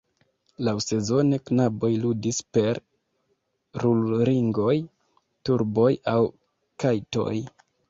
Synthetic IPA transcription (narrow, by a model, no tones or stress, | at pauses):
lawse̞zo̞ne̞knabo̞jludispe̞ɾ | ɾulɾiŋɡo̞j | tuɾbo̞jaw | kajto̞̰j